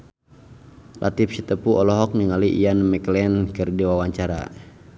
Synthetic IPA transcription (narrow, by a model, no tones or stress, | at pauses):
lʔa̰t̪ifsit̪əpuʔɔlɔɦɔk̚niŋaliʔijanəmɛklɛnkɨrdiwawaɲt͡ʃaɾa̰